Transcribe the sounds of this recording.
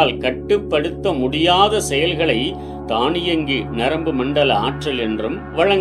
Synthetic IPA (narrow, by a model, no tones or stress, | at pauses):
lkɐʈːɯpːɐɽɯt̪ːɐmʊɽɪjaːðɐsɛjɐlɣɐɭɐɪ | t̪aːɳɪjɐŋɡinɐɾɐmbɯmɐɳɖɐlɐaːʈrɐlɛndrɯm | ʋɐɻɐŋ